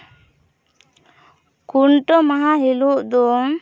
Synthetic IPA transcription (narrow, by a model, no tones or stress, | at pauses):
kuɳʈɔmaɦaɦiluʔd̪ɔ